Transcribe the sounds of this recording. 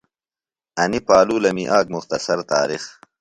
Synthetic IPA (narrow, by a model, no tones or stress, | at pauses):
ɐnipaːluːlɐmiʔaːɡ̚mʊxt̪ɐsɐɾt̪a̰ːɾix